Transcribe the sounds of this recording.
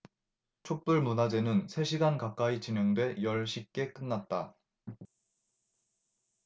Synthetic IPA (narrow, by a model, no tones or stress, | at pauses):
t͡ɕʰok̚p͈uɭmunad͡ʑe̞nɯnsʰe̞ɕʰiɡankak͈ait͡ɕineŋdwe̞jʌɭɕʰik͈e̞k͈ɯnːat̚t͈a